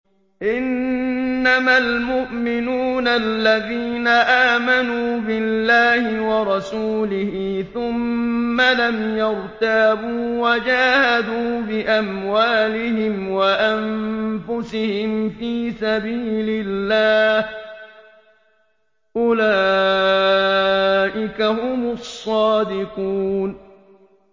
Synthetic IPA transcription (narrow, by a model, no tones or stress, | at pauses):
ʔɪnː | amalmʊʔmɪnuːnalːaðiːnaʔaːmanuːbɪlːaːhɪwɑɾˤɑsuːlɪhiːθʊmːalamjɑɾt̪aːbuːwad͡ʒaːhad̪uːbɪʔamwaːlɪɦɪmwaʔanfʊsɪhɪmfiːsabiːlɪlːaːh | ʔʊlaː | ʔɪkahʊmʊsˤːɑːd̪ɪquːn